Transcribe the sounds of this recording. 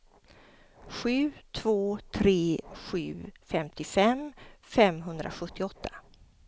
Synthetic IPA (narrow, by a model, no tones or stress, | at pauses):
ɧʉ̟ːt̪ʰv̥oːt̪ʰɾeːɧʉ̟̰ːfɛmt̪ʰɪfɛmfɛmɦɵnd̪ɾʔa̰ɧɵt̪ʰːɪɔt̪ʰːḁ